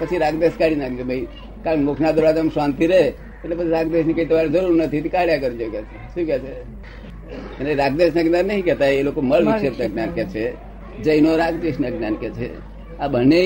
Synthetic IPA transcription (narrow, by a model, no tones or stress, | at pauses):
pət͡ʃʰiɾaɡd̪eskaɽinaɡd͡ʒobəi | kaɾəɳmokʰnad̪əɾɽad͡ʒamsãnt̪iɾee | et̪lepət͡ʃʰiɾaɡd̪esnikəit̪əʋaɾd͡ʒəɾuɾnət̪ʰit̪ikaɽjakəɾid͡ʒokɛt͡ʃʰeʃũkɛt͡ʃʰe | kəneɾaɡd̪esnəɡnanːəɦĩkɛt̪ajelokoməlʋiʃetneɡnankɛt͡ʃʰe | d͡ʒəjnoɾaɡd̪esnəɡnankɛt͡ʃʰḛ | abʱəne